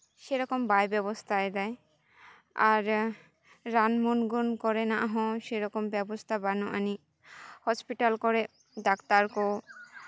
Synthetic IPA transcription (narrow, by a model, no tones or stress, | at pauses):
ʃeɾɔkombajbɛbost̪ʰaed̪ɛj | aɾː | anmunɡonkɔɾenaʔɦɔ̃ʃeɾɔkombɛbost̪ʰabanoʔani | hɔspiʈalkɔɾe | ɖakt̪aɾko